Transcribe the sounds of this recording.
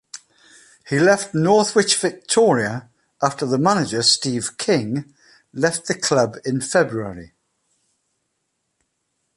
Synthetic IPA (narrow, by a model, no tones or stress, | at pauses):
hilɛftnɔˑθwɪt͡ʃv̥ɪk̚tʰɔːɹiə | ɑˑftəðəmanɪd͡ʒəstiːv̥kʰɪ̃ŋ | lɛft̪ðəkʰl̥ʌbɪ̃nfɛbɹuəɹḭ